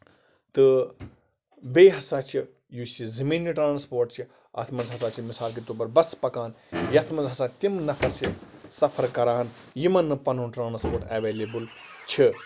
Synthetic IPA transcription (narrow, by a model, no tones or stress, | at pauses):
t̪ɨ | beːɦɐsaːt͡ʃʰi | jusizɐmiːnːiʈɾãːnspoːɾʈt͡ʃʰi | ɐ̰t̪ʰmɐnzɦɐsaːt͡ʃʰimisaːlk̬it̪oːbɐɾbɐspɐkaːnjɐt̪ʰmɐnzɦɐsaːt̪imnɐfʰɐɾt͡ʃʰisɐpʰɐɾkɐɾaːɐnjimɐnːɨpɐnunʈɾaːnspoːʈeːʋeːleːbul | t͡ʃʰi